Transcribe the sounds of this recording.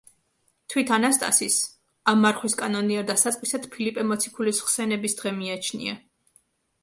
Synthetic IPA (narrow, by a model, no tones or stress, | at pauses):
t̪ʰwit̪ʰanast̪ʼa̰sis | amːaɾχwiskʼanɔniɛɾd̪asat̪sʼwisad̪pʰilipʼɛmɔt̪sʰi̥kʰulisχsɛnɛbisd̪̥ʁɛmiat͡ʃʰnḭa̰